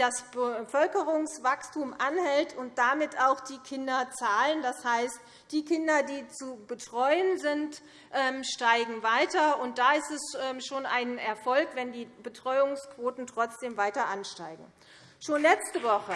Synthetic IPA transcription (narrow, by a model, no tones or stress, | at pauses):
d̥asbəfœlkəʁʊŋsv̥akstumʔanhɛltʊnt̚d̥amɪtaʊxd̥iːkʰɪndɐt͡saːləndashaɪst | d̥iːkʰɪndɐdiːt͡subətʁ̥ɔʏənzɪnt | ʔɛːmʃtaɪɡŋ̩vaɪtɐʊnt̚d̥aːɪstɛsʔɛːmʃoːnʔaɪnɛɐfɔlkvɛndiːbətʁ̥ɔʏʊŋskv̥oːtn̩tʁ̥ɔt͡sd̥eːmvaɪtɐʔanʃtaɪɡŋ̩ | ʃoːnlɛt͡stəvɔχə